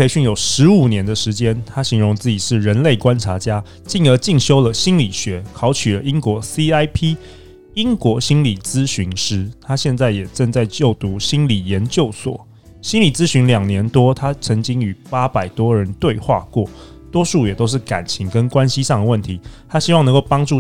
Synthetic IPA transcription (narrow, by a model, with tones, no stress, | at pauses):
pʰe˧˥ɪɕy˥˩njo˨˩ʊʂɻ̩˧˦u˨˩njɛ˧˥nd̪ə˨ʂɻ̩˧˥t͡ɕjɛ˥nt̪ʰa˥ɕi˧˥ŋɻʊ˧˥ŋt͡sɹ̩˥˩t͡ɕi˨˩ʂɻ̩˥˩ɻə˧˦nle˥˩ɪkwa˦nʈ͡ʂʰa˧˥t͡ɕja˦˥ | t͡ɕi˥˩ŋə˧˥t͡ɕi˥˩ŋɕjo˥ʊlə˨ɕi˥nli˨˩ɕɥɛ˧˥kʰɑ˧˥ʊt͡ɕʰy˨lə˦i˦˥ŋkwɔ˧˥si˥a˥ɪpʰi˥ | i˥ŋkwɔ˧˥ɕi˥nli˨˩t͡sɹ̩˦ɕy˧˥nʂɻ̩˥t̪ʰa˥ɕjɛ˥˧nt͡sa˥˩ɪjɛ˨˩ʈ͡ʂə˥˧ŋt͡sa˥˧ɪt͡ɕjo˥˩ʊt̪u˧˥ɕi˥nli˨˩jɛ˨˧˦nt͡ɕjo˥˩ʊswɔ̰˨˩˦ | ɕi˥nli˨˩t͡sɹ̩˥ɕy˧˥nljɑ˨˩ŋnjɛ˧˥nt̪wɔ˥t̪ʰa˥t͡sʰɤ˧˥ŋt͡ɕi˥ŋy˨˩pa˥pa˨˩ɪt̪wɔ˥ɻə˧˦nt̪we˥˧ɪxwa̰˥˧kwɔ˥˩ | t̪wɔ˥ʂu˥˩jɛ˨˩t̪o˥ʊʂ̬ɻ̩˥˩ka̰˨˩nt͡ɕʰi˧˥ŋkə˦˥nkwa˦nɕi˥˦ʂɑ˥˩ŋd̪ə˩wə˥˩nt̪ʰi˨˧˦t̪ʰa˥ɕi˥wɑ˥ŋ˧˦ko˥˨˩ʊpɑ˥ŋʈ͡ʂu˥˨